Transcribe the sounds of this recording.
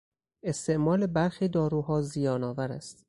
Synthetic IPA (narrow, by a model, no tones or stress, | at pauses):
e̞st̪ʰe̞ʔmɒːle̞bæɾxiːd̪ɒːɾuːɦɒːzijɒːnɒːvæɾæ̰st̪